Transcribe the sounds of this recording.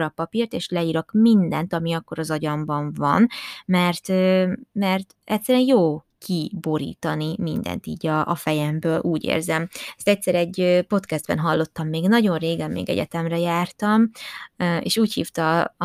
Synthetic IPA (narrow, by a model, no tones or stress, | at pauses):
ɾɒpɒpirt̪eːʃlɛiːɾo̞kmind̪ɛnt̪ɒmiɒkːo̞ɾɒzɒɟɒmbɒɱvɒ̰nmɛrt̪ømɛrt̪ | ɛcsːɛɾyɛnjoː | kʰibo̞ɾḭːt̪ɒnimind̪ɛ̰nt̪ḭːɟɒʔːfɛjɛmbøːlʔuːɟḛːrzɛmɛst̪ɛcʲsɛɾɛɟːøpo̞t̪kɛzd̪bɛ̰nɦɒlːo̞t̪ːɒmːeːɡnɒɟo̞nreːɡɛmːḛːɡɛ̰ɟɛ̰t̪ɛmrɛjaːrt̪ɒm | ḛːʃuːchḭːft̪ɒ